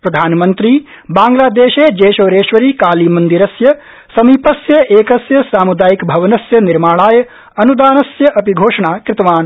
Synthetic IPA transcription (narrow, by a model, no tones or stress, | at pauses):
pɾɐd̪ʱaːnmɐnt̪ɾiː | baːŋɡlaːd̪eːʃeːd͡ʒeːʃoːɾeːʃʋɐɾiːkaːliːmɐnd̪iɾɐsjɐ | sɐmiːpɐsjɐʔeːkɐsjɐsaːmud̪aːjikbʱɐʋɐnɐsjɐniɾmaːɭaːjɐ | ɐnud̪aːnɐsjɐʔɐpiɡʱoːʂɐɳaːkɾɪt̪ɐʋaːn